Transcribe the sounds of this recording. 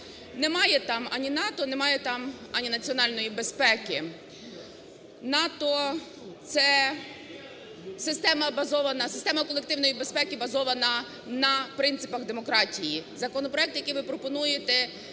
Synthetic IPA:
nɛmɑjɛt̪ɑmɐnʲinɑt̪ɔnɛmɑjɛt̪ɑmɐnʲinɐt͡sʲiɔnɑlʲnɔjibespɛkɪ | nɑt̪ɔ | t̪sɛ | sɪst̪ɛmɐbɐzɔʋɐnɐsɪ̥st̪ɛmɐkɔlˠek̚t̪ɪwnɔjibe̞spɛkʲɪbɐzɔʋɐnɐ | nɐpɾɪnt̪sɪpɐɣd̪emɔkɾɑtʲijizɐkɔnɔpɾɔɛkt̪jɐkijʋɪpɾɔpɔnujet̪ɛ

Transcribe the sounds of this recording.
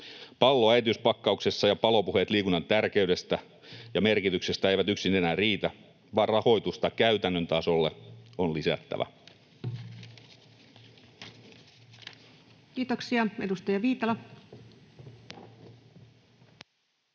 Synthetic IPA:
pɑlːoæjt̪yspɑkːɑukse̞sːɑjɑpɑlo̞puhe̞t̪liːkunːɑnt̪ærke̞ɥde̞st̪æ | jɑme̞rkit̪ykse̞st̪æejʋæt̪yksinenæːriːt̪æ | ʋɑːrrɑho̞jt̪ust̪ɑkæyt̪ænːønt̪ɑːsolːeonlisæ̰t̪ːæ̰ʋæ̰ | kiːt̪oksiɑedust̪ɑjɑʋiːt̪ɑlɑ

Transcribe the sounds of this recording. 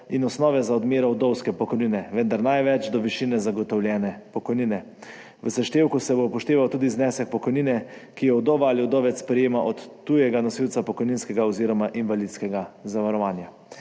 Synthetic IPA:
inɔsnɔːʋɛzaɔd̪meːɾɔwd̪ɔwskɛpɔkoɔjniːnɛʋənd̪aɾnajʋɛt͡ʃd̪ɔʋiʃinɛzaɡɔt̪ɔwljɛːnɛpɔkɔjniːnɛ | ʋəsaʃt̪eːwkusɛbopɔʃt̪eːʋawt̪uːd̪iznɛsɛk̚pɔkɔjniːnɛkijɔwd̪ɔːʋaaliɔd̪ɔʋɛt̪spɾɛjeːmaʔɔt̪ːujɛɡanɔsiwt̪sapɔkɔjninskɛɡaɔziːɾɔmaʔinʋalid̪skɛɡazaʋaɾɔʋaːnja

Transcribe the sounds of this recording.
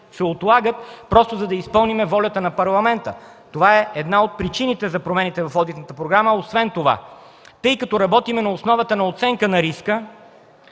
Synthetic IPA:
sɛot̪lˠaɡət̪pɾɔst̪ozɐd̪ɐispɤlˠnimɛvɔlʲɐt̪ənɐpɐɾlˠɐmɛnt̪ə | t̪ovaɛɛd̪naot̪̚pɾit͡ʃinit̪ɛzɐpɾomɛnit̪ɛvɐfɔd̪it̪nət̪əpɾoɡɾaməosvɛnt̪ova̰ | t̪ɤjkɐt̪ɔɾɐbɔt̪imɛnɐosnɔvɐt̪ənɐot̪sɛŋkənɐɾiskə

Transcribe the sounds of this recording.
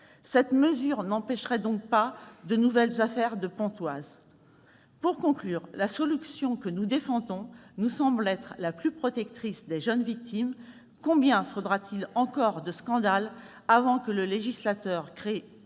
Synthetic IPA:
sɛt̪məzyʁnɑ̃pɛʃʁɛd̪ɔ̃k̚pad̪ənuvɛlzafɛʁd̪əpɔ̃t̪waz | puʁkɔ̃klyːʁlasɔlysjɔ̃kənud̪efɑ̃d̪ɔ̃nusɑ̃blɛt̪χlaplypχɔt̪ɛk̚t̪χisd̪eʒənvik̚t̪ʰim | kɔ̃bjɛ̃fod̪ʁat̪ilɑ̃kɔʁd̪əskɑ̃d̪al | avɑ̃kələleʒislat̪œʁkχe

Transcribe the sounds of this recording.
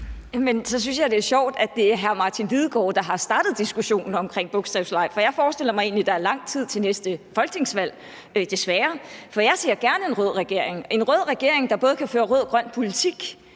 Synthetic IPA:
jæmensɒ̽s̬ynsjɑd̥e̝æɐɕɒʊ̰d̥æ̥d̥e̝æɐɦæɐmɑ̈ːt͡sʰinʋiðˠɡ̥ɒ̰ːd̥ɑ̈ɦɑ̈sd̥ɑ̈ːd̥ð̞̩ˠd̥isɡ̥uɕo̝̰ːnn̩ɒ̽mkʰʁeŋ̰b̥ɔ̽ɡ̥sd̥ʁɛʊslɑ̈ɪ̰fɒ̽jɑ̈ɪfɒːsd̥e̝l̰ɐmɑɪe̝̰ːnlid̥ɑ̈ɐlɑ̈ŋ̰t͡sʰið̞̰ˠt͡sʰe̝lnesd̥əfɒ̽lɡ̥̚t͡sʰe̝ŋsʋæl̰ | d̥e̝sʋæːɐfɒ̽jɑ̈ɪse̝ɐɡ̥æɐnəe̝nʁœð̰ˠʁɛɡ̥e̝ɐ̰eŋe̝nʁœðˠʁɛɡ̥e̝ɐ̰e̝ŋd̥ɑ̈b̥ɔ̽ːð̞̩ˠkʰæføːɐʁɔːð̞̰ˠɡ̥ʁɶn̰̚pʰo̝lit͡sʰiɡ̥

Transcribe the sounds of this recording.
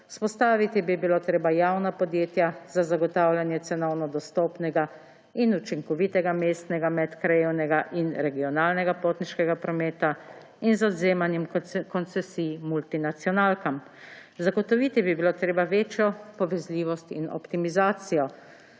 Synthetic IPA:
u̥spɔst̪aːʋit̪ibibiloːt̪ɾeːbajaːwnapɔd̪jeːt̪jazazaɡɔt̪awlʲjanjɛt̪sɛnɔwnɔd̪ɔst̪oːpnɛɡa | inut͡ʃiŋkɔʋit̪ɛɡameːst̪nɛɡamɛt̪kɾajewnɛɡaʔinɾɛɡiɔnaːlnɛɡapoːt̪niʃkɛɡapɾɔmeːt̪a | inzɔd̪zeːmanjɛmkɔnt̪sɛsimult̪inat̪sjɔnaːlkam | zaɡɔt̪ɔʋit̪ibibiloːt̪ɾeːbaʋeːt͡ʃjɔpɔʋɛzlʲiːʋɔst̪ḭnɔ̰pt̪imizaːt̪sijɔ

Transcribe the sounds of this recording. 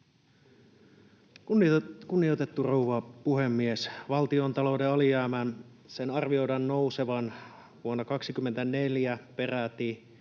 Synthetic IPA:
kkunːiot̪e̞t̪ːurouʋɑpuhemːiesʋɑlt̪iont̪ɑlo̞wdeɑlijæːmænsenɑrʋio̞jdɑnːo̞use̞ʋɑn | ʋuonːɑkɑksikymːent̪æne̞ljæpe̞ræt̪i

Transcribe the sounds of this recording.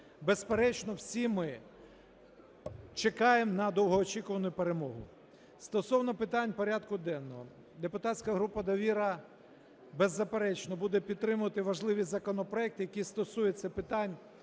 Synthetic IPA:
bespeɾɛt͡ʃnɔwsʲimɪ | t͡ʃekɑjemnɐd̪ɔwɦɔːt͡ʃikʊʋɐnʊjʊpeɾemɔɦʊ̰ | st̪ɔsɔwnɔpɪt̪ɑnʲpɔɾʲad̪kʊd̪ɛnːɔɦɔ | d̪epʊt̪ɑtʲsʲkɐɦɾupɐd̪ɔʋʲiɾɐ | bezːɐpeɾɛt͡ʃnɔbud̪ɛpʲid̪t̪ːɾɪmʊʋɐt̪ɪʋɐʒlˠɪʋʲizɐkɔnɔpɾɔɛk̚t̪ɪjɐkʲist̪ɔsujɛt͡s̪ʲːɐpɪt̪ɑnʲ

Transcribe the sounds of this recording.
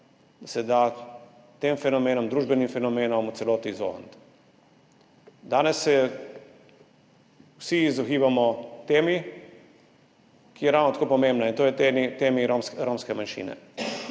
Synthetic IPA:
d̪asɛd̪a | t̪eːmfɛnɔmeːnɔmd̪ɾuːʒbɛnimfɛnɔmeːnɔmut̪sɛloːt̪izo̰ːnt̪ | d̪aːnɛsːɛ | wsiːzɔxiːʋamɔt̪eːmi | kijɛɾawnɔt̪akoːpɔmẽmbnaint̪oːjɛt̪eit̪eːmiɾomsɾoːmskɛmanʃḭːnɛ̰

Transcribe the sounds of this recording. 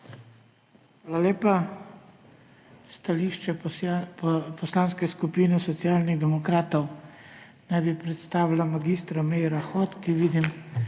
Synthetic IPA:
xʋaːlalʲeːpa | st̪aliːʃt͡ʃɛ | pɔslaːnskɛskupiːnɛsɔt̪sijaːlniɣd̪ɛmɔkɾaːt̪ɔw | najbipɾɛt̪st̪aːʋilamaɡiːst̪ɾamɛjɾaxɔt̪kiʋiːd̪im

